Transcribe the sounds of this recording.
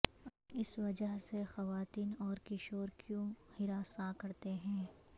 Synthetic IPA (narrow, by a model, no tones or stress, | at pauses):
ɪsʋɐd͡ʒəɦsexɐʋaːt̪iːnɔːɾkɪʃoːɾkjũhɪɾaːsakɐɾt̪eɦɛ̃ː